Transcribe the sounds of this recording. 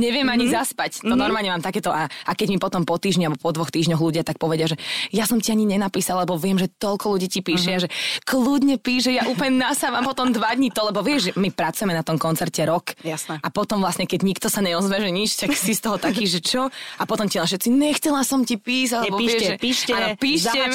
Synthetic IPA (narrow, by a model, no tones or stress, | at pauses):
ɲɛʋɪɛmaɲizaspact̪ɔnɔɾmalɲɛmaːmt̪akɛːt̪ɔʔaʔakɛɟmipɔt̪ɔmpɔt̪iːʒɲialbɔpɔd̪ʋɔxt̪iːʒɲɔɣluɟɪat̪ak̚pɔʋɛɟɪaʒɛjasɔmciaɲiɲɛnapiːsalalɛbɔʋɪɛmʒɛt̪ɔlkɔluɟiːcipiːʃɪaʒɛklud̪ɲɛpiːʒɛjaʔuːplɲɛnasaːʋampɔt̪ɔmd̪ʋad̪ɲit̪ɔlɛbɔʋɪɛʒʒɛmipɾat͡sujɛmɛnat̪ɔmkɔnt͡sɛɾcɛɾɔkjasnapɔt̪ɔmvlasɲɛkɛɟɲikt̪ɔsaɲɛɔzʋɛʒɛɲit͡ʃt̪aksist̪ɔɦɔt̪akiːʒɛt͡ʃɔapɔt̪ɔmcinaʃɛt̪t͡siɲɛxt͡sɛlasɔmcipiːzaɛɛbɔiʋɛʒɛpiːʃaːnpiːʃɛ